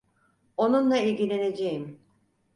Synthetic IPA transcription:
o̞nunlˠailʲɟʲilʲe̞ne̞d͡ʒejim

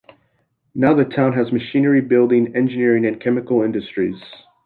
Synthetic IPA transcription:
naʊðɨtʰãʊ̃nɨzmɨʃĩnə˞ibɪlˠdɪ̃ŋɛ̃nd͡ʒɨnɪɹɪ̃ŋɨ̃nkʰɛmɨkl̩ˠɪ̃ndɨstɹ̥iz̥

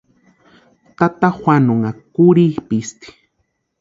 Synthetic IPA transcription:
t̪at̪axwʷanoŋakuɾipist̪i̥

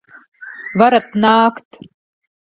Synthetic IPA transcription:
vaɾat̪̚naːkt̪

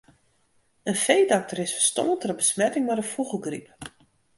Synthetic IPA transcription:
ənfejdɔk̚təɾɪsfə̥stɔ̰nətərəbəsmɛtɪŋmadəfuɣəlˠɡrip

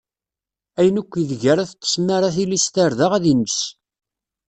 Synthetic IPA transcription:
æjənukʷːiðʝəɾæθət͡s̪ːə̥smaɾaθilist̪aɾðaʁæðinəs

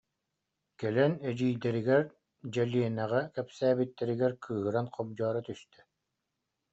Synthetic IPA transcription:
kɛlɛnɛd͡ʑiːjd̪ɛɾiɡɛɾ | d͡ʑɛlʲiɛnæʁɛkɛpsæːbit̪ːɛɾiɡɛɾkʰɯːɦɯɾanqɔb̚d͡ʑɔːɾat̪yst̪ɛ̥

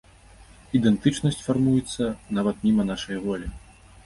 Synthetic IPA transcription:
id̪ɛnt̪ɨt͡ʂnɐsʲt͡sʲfarmujɛt̪sːɐnavɐt̪nʲimɐnaʂɐjɐvɔlʲi

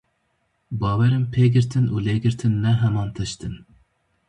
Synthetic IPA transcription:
bɑːwɛɾɪmpʰeɡʲiɾt̪ʰɪnuleɡʲiɾt̪ʰɪnːɛɦɛmɑnt̪ʰɑʃt̪ʰɨn

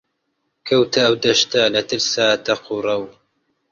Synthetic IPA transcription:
kʰɐwt̪ʰɐːwd̪ɐʃt̪ɐlɐt̪ɨɾsaːt̪ɐqurˤɐw

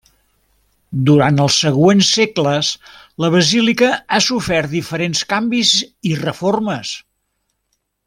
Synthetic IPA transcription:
d̪uɾant̪əlˠsːəɣwensːekləs | ləβ̞əzilikəasufɛrt̪̚d̪ifəɾenskambizirəforməs

